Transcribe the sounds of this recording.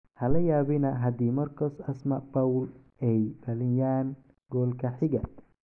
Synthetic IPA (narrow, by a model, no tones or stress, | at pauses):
hɐlɐjaːβɪnɐɦɐd̪iːmɐrkʰɔːsɐsmɐbɐwl | ɛjfɐlɪjaːn | ɡɔːlkʰɐħɪɣɐ